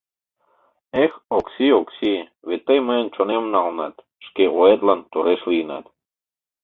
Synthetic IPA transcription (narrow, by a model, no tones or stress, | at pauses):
exoksioksi | βet̪ːejməent͡ʃonemnɑlˠnɑ̰t̪ | ʃkeʔoet̪lˠɑnt̪oɾeʃlijnɑ̰t̪